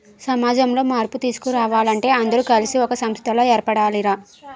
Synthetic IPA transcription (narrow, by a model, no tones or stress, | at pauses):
sɐmaːd͡ʒɐmlo̞ːmaːɾput̪iːsu̥kuɾaːʋaːlɐɳʈe̞ːɐnd̪ɐɾukɐlisiɔkɐsɐmst̪ʰɐlo̞ːɛːɾpɐɽaːliɾaː